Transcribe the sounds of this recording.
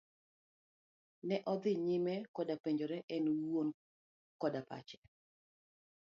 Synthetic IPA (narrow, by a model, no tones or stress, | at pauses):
nɛʔɔd̪ɪɲɪmɛkɔdapeɲd͡ʒoɾɛʔɛnon | kɔdapa̰t͡ʃɛ̥